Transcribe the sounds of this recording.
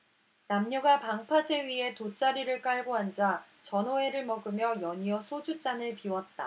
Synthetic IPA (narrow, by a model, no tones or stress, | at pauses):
namɲʌɡapaŋpʰad͡ʑe̞ɥiɦe̞tot͡ɕ͈aɾiɾɯɭk͈aɭɡoɦand͡ʑa | t͡ɕʌnoe̞ɾɯɭmʌɡɯmjʌjʌɲiʌsʰod͡ʑut͡ɕ͈anɯɭpiwʌt̚t͈a̰